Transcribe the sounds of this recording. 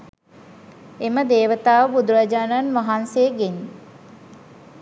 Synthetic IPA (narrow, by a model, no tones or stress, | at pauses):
eməd̪eːʋət̪aːʋəbud̪uɾad͡ʒaːnanʋaɦansejəɡeɲ